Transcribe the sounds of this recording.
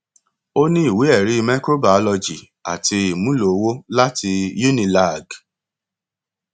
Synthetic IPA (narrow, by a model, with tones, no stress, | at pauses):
o˦nĩ˦i˦˨we˨˦ɛ˦˨ɾi˨˦˧mɛ̃˦ko˦ba˨˦lɔ˧d͡ʒi˨ | a̰˨ti˧i˨mũ˦lo˨˦wo˦la˦ti˧ju˦nĩ˧la˦˨ɡ